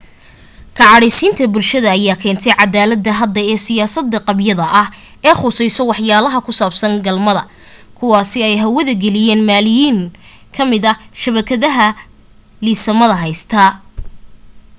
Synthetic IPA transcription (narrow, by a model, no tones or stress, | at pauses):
kʰɑʕɑɽɛsiːnt̪ʰɐbʊlʃɐðɐːjaːkʰɛːnt̪ʰɛjʕɑd̪aːlɐd̪ːɐɦɐd̪ːɐɛːsɪjaːsɐd̪ːɐqɑbjɐðɐʔɐh | ɛːχʊsɛjsɔwɑħjaːlɐɦɐkʰʊsaːbsɐŋɡɐlmɐðɐ | kʰʊwɑːsɪɛjɦɐwɛðɐɡɛlɪjɛːnmaːlɪjiːŋ | kʰɐmɪðɐʃɐβɐkʰɐðɐɦɐ | liːsɐmɐðɐɦɛjst̪ʰɐ